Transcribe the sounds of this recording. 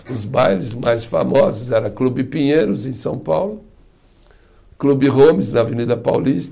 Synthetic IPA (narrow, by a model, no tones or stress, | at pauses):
ʊzbajlɪzmajsfa̰mɔzʊzɛɾɐklubɪpĩɲejɾʊzẽj̃sɐ̃w̃pawlʊ | klubɪɦõmɪznɐvenid̪ɐpa̰wlist̪